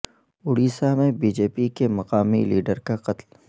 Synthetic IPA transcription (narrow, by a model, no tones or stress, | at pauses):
ʊɽiːsamẽbiːd͡ʒeːpikemɐqaːmḭliːɖəɾkaqɐt̪l